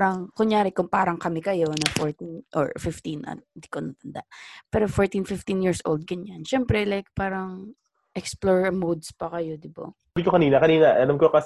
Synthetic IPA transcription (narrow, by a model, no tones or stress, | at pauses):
ɾɐŋkʊɲjaːɾɪkʊŋpaːɾɐŋkɐmɛkɐjo̞nɐfoɹt̪inʔɔ̰ɹfɪft̪inʔɐ̰nd̪ikonɐt̪ɐnd̪a̰ʔpɛːɾofoɹt̪infɪft̪ĩnjiɹsʔo̰ld̪̚ɡɐɲanʃɛmpɾɛlajk̚paːɾɐŋ | ʔɛksploɹmod̪spɐkɐjod̪ɪba̰ | bikokɐniːnɐkɐniːnɐʔɐlamkokɐs